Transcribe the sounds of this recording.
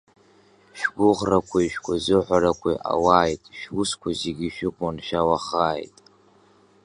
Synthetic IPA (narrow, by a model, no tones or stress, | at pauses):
ʃᶣɡʷʊʁrakʷʰaʃᶣkʷʰʊzɨħʷaɾakʷʰḭʔa̰waːjtʼʃᶣuskʷʰazeɡʲiʃᶣɪkʷʼʊnʃᶣawaχaːjtʼ